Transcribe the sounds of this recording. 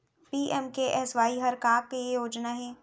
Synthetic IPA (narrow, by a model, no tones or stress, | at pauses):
piːʔɛmkeʔɛːsʋaːiɦɐɾkaːɾkejejoːd͡ʒnaɦɛː